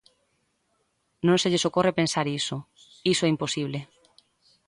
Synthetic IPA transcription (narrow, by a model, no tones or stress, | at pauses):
nõnseʎesokorepensaɾiso | isoɛimposiβ̞le